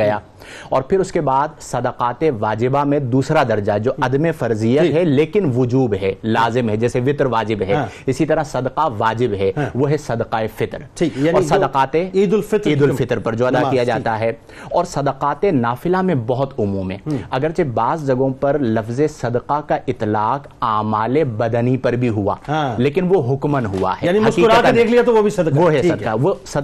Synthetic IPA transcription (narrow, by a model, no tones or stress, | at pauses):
ɐjaː | ɔːɾpʰɪɾʊskebaːd̪sɐd̪əqaːt̪eʋaːd͡ʒɪbamẽd̪uːsɾad̪ɐɾd͡ʒad͡ʒoːɐd̪mefɐɾzijət̪ɦɛleːkɪnʋʊd͡ʒuːbɦɛlaːzɪmɦɛd͡ʒɛːseʋɪt̪ɾʋaːd͡ʒɪbɦɛɪsit̪ɐɾasɐd̪qaʋaːd͡ʒɪbɦɛʋoːɦɛsɐd̪qaefɪt̪ɾʰiɔːɾsɐd̪əqaːt̪ẽid̪lfɪt̪iːd̪ʊlfɪt̪ɾpɐɾd͡ʒoːɐd̪akijad͡ʒaːt̪aɦɛː | ɔːɾsɐd̪qaːt̪enaːfɪlamẽbɐɦʊt̪ʊmuːmɦɛ̰̃ːɐɡəɾt͡ʃebaːzd͡ʒɐɡõpɐɾlɐfzesɐd̪qakaʔɪt̪laːq | aːmaːlebɐd̪nipɐɾbʱiɦuã̰ːleːkɪnʋoɦʊkmənɦua̰ɦɛjaːniɦɐʊʃiːɾk̪d̪eːkʰliat̪oʋobʱisɐd̪ʋoɦɛsɐd̪aʋosɐ